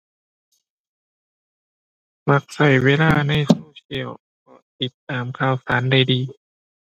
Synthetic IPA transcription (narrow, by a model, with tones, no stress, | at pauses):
ma˧˦k̚sa˨˩jweː˧˨laː˧˥˩na˧˩˨jsoː˧˦t͡ɕʰi˧˩əw | kʰɔː˧˩t̪i˨˦t̪ːaː˨mkʰaː˧˩wsaː˩˦nda˧˩jdiː˧